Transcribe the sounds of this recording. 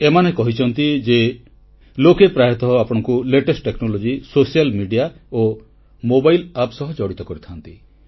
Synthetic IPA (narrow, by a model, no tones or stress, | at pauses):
emanekɔɦit͡ʃʰɔnt̪id͡ʒe | lokepɾajɔt̪ɔɦɔapɔɽ̃ɔŋkuleʈesʈʈeknɔlod͡ʒisosijalmiɖija | o | mobajlapsɔɦɔd͡ʒɔɽit̪ɔkɔɾit̪ʰant̪i